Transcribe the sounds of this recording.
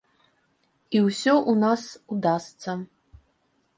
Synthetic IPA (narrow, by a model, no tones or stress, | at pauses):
iwsʲɔʔunasud̪ast̪sɐ